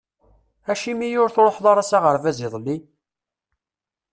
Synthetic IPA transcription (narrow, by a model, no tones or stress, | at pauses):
æʃimijʊɾθɾˤoħðˤɑɾˤɑsaʁəɾvæzɪðˤlːi